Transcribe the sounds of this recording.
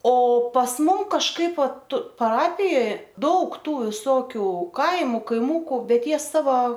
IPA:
oː pɐs ˈmʊm kɐʃˈkɐɪp ˈʋɐt pɐˈrɑːpʲɪjoːj ˈdɐʊk ˈtuː ʋʲɪˈsoːkʲʊ ˈkɐɪmʊ kɐɪˈmʊkʊ ˈbʲɛt ˈjiɛ ˈsɑːʋɐ

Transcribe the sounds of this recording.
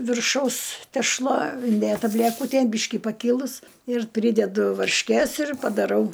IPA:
ʋʲɪrˈʃɐʊs tʲɛʃˈlˠɐ ɪnʲˈdʲeːtɐ bʲlʲæˈkʊtʲeːn ˈbʲiːʃʲkʲɪ pɐˈkʲiːlˠʊs ɪr ˈpʲrʲiːdʲɛdʊ ʋɐrʲʃʲˈkʲeːs ɪr pɐdɐˈrɐʊ

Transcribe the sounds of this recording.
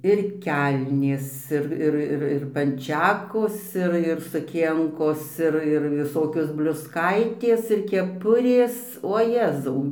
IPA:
ɪr ˈkʲɛlʲnʲeːs ˈɪr ˈɪr ˈɪr ˈɪr pɐnʲˈt͡ʃʲæːkoːs ˈɪr ɪr sʊˈkʲiɛŋkoːs ˈɪr ɪr ʋʲɪˈsoːkʲoːs bʲlʲʊsˈkɐɪtʲeːs ɪr kʲɛˈpʊrʲeːs oː ˈjæːzɐʊ

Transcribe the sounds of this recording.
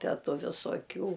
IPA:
ˈtʲæː ˈtʊ ʋʲɪsoːˈkʲuː

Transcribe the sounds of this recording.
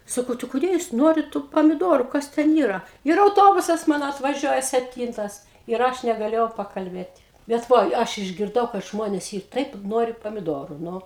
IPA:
ˈsɑːkɐʊ tɐɪ kʊˈdʲeː juːs ˈnuɔrʲɪt tuː pɐmʲɪˈduɔrʊ ˈkɐs ˈtʲɛn ˈiːrɐ ɪr ɐʊˈtoːbʊsɐs ˈmɑːnoː ɐtʋɐˈʒʲuɔjɛ sʲɛpʲˈtʲiːntɐs ɪr ˈɐʃ nʲɛɡɐˈlʲeːjɛʊ pɐkɐlʲˈbʲeːtʲ ˈbʲɛt ˈʋoːj ˈɐʃ ɪʒʲɡʲɪrˈdɐʊ kɐt ˈʒmoːnʲeːs ˈiːr ˈtɐɪp ˈnoːrʲɪ pɐmʲɪdoːrʊ ˈnʊ

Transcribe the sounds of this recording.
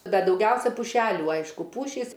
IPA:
ˈbʲɛt dɐʊˈɡʲɛʊsʲɛ pʊˈʃʲæːlʲuː ˈɐɪʃkʊ ˈpuːʃʲiːs

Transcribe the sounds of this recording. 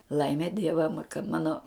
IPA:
ˈlˠɐɪmʲɛ ˈdʲiɛʋɐ kɐt ˈmɑːnoː

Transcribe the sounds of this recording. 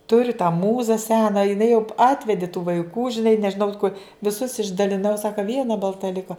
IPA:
ˈtʊrʲʊ tɑː ˈmuːzɐ ˈsʲæːnɐ jɪˈnɐɪ jɛʊ ˈɑːtʲʋʲɛdʲɪ tuː ʋɐɪˈkuː ʒʲɪˈnɐɪ nʲɛʒʲɪˈnɐʊ koː ʋʲɪˈsʊs ɪʒdɐlʲɪˈnɐʊ ˈsɑːkɐ ˈʋʲiɛnɐ bɐlˠˈtɐ ˈlʲɪkoː

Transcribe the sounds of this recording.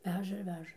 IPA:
ˈʋʲæːʒɐ ɪr ˈʋʲæːʒɐ

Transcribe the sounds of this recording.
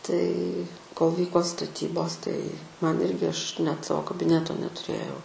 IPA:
tɐɪ koːlˠ ˈʋʲiːkoː stɐˈtʲiːboːs tɐɪ ˈmɐn ˈɪrʲɡʲɪ ˈɐʃ nʲɛt ˈsɑːʋoː kɐbʲɪˈnʲæːtoː nʲɛtʊˈrʲeːjɛʊ

